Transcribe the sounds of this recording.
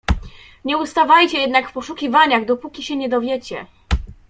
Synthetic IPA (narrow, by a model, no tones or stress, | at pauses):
ɲɛust̪avajt͡ɕɛjɛd̪nakfpɔʂukʲivaɲaɣd̪ɔpukʲiɕɛɲɛd̪ɔvʲjɛt͡ɕɛ